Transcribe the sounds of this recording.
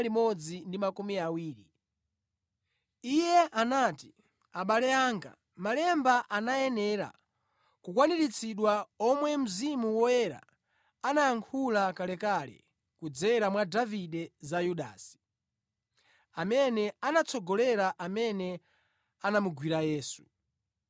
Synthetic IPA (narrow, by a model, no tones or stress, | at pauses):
limɔd͡zindimakumiawiːɾi | ijɛʔanaːti̥ | aɓalɛaːŋɡa̰ | malɛmbaʔanajɛnɛɾa̰ | kukwaniɾit͡sʰiɗwaɔmwɛm̩zimuwɔjɛɾa̰ | anajaŋkʰulakalɛkalɛ̰ | kud͡zɛɾamwadaviɗɛzajuɗa̰ːsi̥ | amɛnɛanat͡sʰɔɡɔlɛɾaʔamɛnɛ | anamuɡwiɾajɛːsu̥